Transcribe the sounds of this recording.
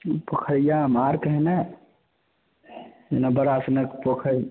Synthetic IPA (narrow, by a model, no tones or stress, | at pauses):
pəkʰəɾijamaːɾkəɦna | enabəɾasnəkpəkʰəɾi